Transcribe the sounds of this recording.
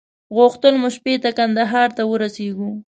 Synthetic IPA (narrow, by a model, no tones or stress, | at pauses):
ɣʊxt̪əlmʊʃpet̪akand̪aɦɑɾt̪awəɾaseɡu